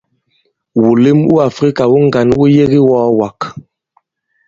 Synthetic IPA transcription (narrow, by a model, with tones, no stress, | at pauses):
wu˨le˦mṵ˦a˨fɾi˦ka˨wu˦ŋ˦ɡa˨nu˦je˦ɣi˦wɔː˦wa˨k